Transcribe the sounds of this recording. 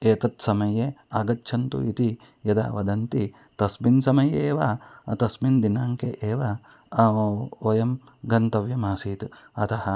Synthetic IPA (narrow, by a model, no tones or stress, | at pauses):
eːt̪ɐt̪sɐmɐjeːaːɡɐtːʃʰɐnt̪ṵit̪i | jɐd̪a̰ːʋɐd̪ɐnt̪i | t̪ɐsminsɐmɐjeːʋat̪ɐsmind̪inaːŋkeʔeːʋa | oːjɐm | ɡɐnt̪ɐʋjɐmaːsiːt̪ɐt̪ʰɐhɐ